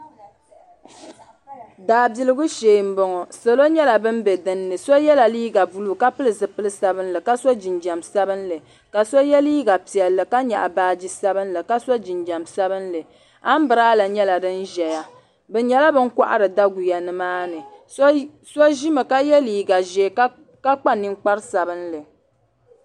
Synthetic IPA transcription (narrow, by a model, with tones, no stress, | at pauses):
daː˨bi˨lɨ˦ɡʊ˦ʃeː˨m̩˦bɔ˨ŋɔ˨so˨lo˦ɲɛ˦la˨bɨ˦m̩˦bɛ˨dɨ˦nːɨ˨so˦jɛ˦la˨liː˦ɡa˨bu˦lu˦ka˦pɨ˦lɨ˨zɨ˨pɨ˦lɨ˦sa˦bɨ˦n˦lɨ˨ka˦so˦d͡ʒi˨nd͡ʒa˨msa˦bɨ˦nlɨ˨ | ka˨so˦jɛ˦liː˦ɡa˨pi˨ɛ˨lːɨ˨ka˦ɲa̰˨ʔa̰˨baː˦d͡ʒi˦sa˦bɨ˦nlɨ˨ka˦so˦d͡ʒi˨nd͡ʒa˨msa˦bɨ˦nlɨ˨ | a˦m̩˦bɨ˨ɾaː˦la˨ɲɛ˦la˨dɨ˦nʒɛ˨ja˦ | bɛ˨ɲɛ˨la˦bɨ˦ŋka̰˦ʔa̰˦ɾɨ˨da˦ɡu˨ja˨nɨ˨maː˦nɨ˨˦ | so˦ʒi˦mɨ˨ka˦jɛ˦liː˨ɡa˨ʒe˨k | ka˦k͡pa˦ni˦ŋk͡pa˦ɾsa˨bɨ˦nlɨ˨